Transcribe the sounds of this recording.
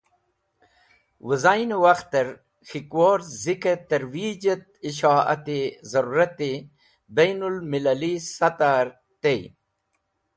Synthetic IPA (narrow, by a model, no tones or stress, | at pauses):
wəzajnewaxt̪ːɐɾ | xikwoːɾziket̪ɐɾwiːd͡ʑɐt̪̚iɕaːa̰t̪ezɐɾuːɾɐt̪i | bejnulmilalisɐt̪aɾ | t̪ej